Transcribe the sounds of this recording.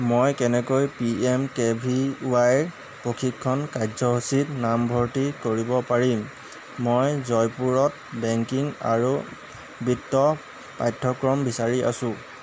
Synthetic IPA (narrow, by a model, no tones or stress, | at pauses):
mojkɛnɛkojpiɛmkebʱiuwaj | pɹokʰikʰːɔnkajzɔɦusitnambʱɔɹtikoɹibɔpaɹimː | ojzɔjpuɹɔt̚ | bɛŋkiŋa̰ɹu | bitːɔ | pajtʰːɔkɹɔmbisaɹiʔa̰sʊ̃